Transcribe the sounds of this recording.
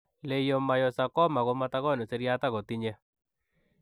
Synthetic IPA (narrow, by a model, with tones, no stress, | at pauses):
le˨jɔ˨ma˨jɔ˨sa˨kɔ˦ma˨ɣo˦ma˦ta˦ɣɔ˦˨ne˨se˦ɾja˦ta˦ɣo˨ti˦ɲɛ˦